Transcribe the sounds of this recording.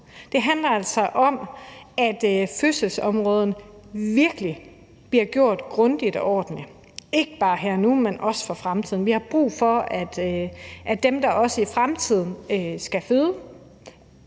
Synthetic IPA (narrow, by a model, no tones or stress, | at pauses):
d̥e̝ɦænd̥lɐælsɒ̽ʔɒ̽mæd̥føsəlsɒ̽mʁɔ̽ːð̞ˠənəʋiɐɡ̥əli | b̥liɐ̰ɡ̥jo̝ɐ̰d̥ɡ̥ʁɔ̽nd̥id̥ɒʔɒ̰ːd̥n̩li | e̝ɡ̥əb̥ɑ̈ːɦæɐnumenʔɒ̽sə̥fɒfʁamt͡sʰiðˠn̩ʋihɑ̈b̥ʁṵːfɒ̽æd̥ʔæd̥emd̥ɑ̈ʔɒ̽səifʁamt͡sʰið̰ˠn̩øsɡ̥æføðˠ